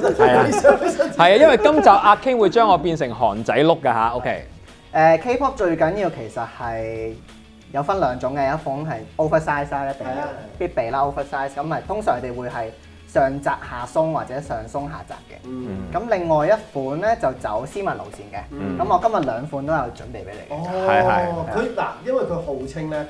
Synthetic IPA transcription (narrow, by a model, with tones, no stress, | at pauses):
ɐ˨ja˧hɐ˨jaː˧jɐ˥nwɐ˨˩jkɐ˥mt͡saː˨˩p̚ʔaː˧kʰːɪ˥ŋwu˨˧jt͡ʃœː˥ŋɔː˨˧piː˧nsɪ˨˩ŋɦɔ̰ː˨˩nt͡sɐ˨˥jlʊ˥kːa˧ɦa̰ː˨˦ʔo˥wkʰe˥j | ʔɛː˨˧kʰe˥jpʰɔː˥k̚t͡ʃɵ˧ɥkɐ˨˥nji˧wkʰe˨˩jsɐ˨t̚hɐ˨j | jɐ˨˧wfɐ˥nlœː˨˧ŋt͡sʊ˨˥ŋkɛ˧jɐ˨˥t̚fʊ˨˥nɦɐ˨jʔo˥wfə˧saː˥jsaː˥jɐ˥t̪ɪ˨ŋpiː˥t̚pe˨˩jlaː˥o˥wfə˧˥saː˥jskɐ˨˧mhɐ˨jt̪ʰʊ˥ŋsœː˨˩ŋkʰːt̪e˨˩jwuː˨˧jɦɐ˨j | sœː˨˩ŋt͡saː˨k̚haː˨sʊ˥ŋwaː˨t̚t͡sɛː˨˥sœː˨˩ŋsʊ˥ŋɦa̰ː˨t͡sa̰ː˨p̚kɛ̰˧kɐ˨˥mlɪ˨˩ŋːɔː˨jɐ˥t̚fuː˨˥nlɛː˥t͡sɐ˨˩wt͡sɐ̰˨˥wsiː˥mɐ˨˩nlo̰˨˩wsiː˨nkɛ˧kɐ˨˦mɔː˨˧kɐ˥mjɐ˨t̚lœː˨˧ŋfuː˨˥nt̪o˥wjɐ˨˧wt͡ʃɵ̰˨˥npe˨jpḛ˨˥jlḛ˨˩ɛ˧ɐ˨jkʰɵ˨˧la̰ː˨˩jɐ˥nwɐ˨jkʰɵ˨˧ho˨wt͡sʰɪ˥ŋlɛː˦˥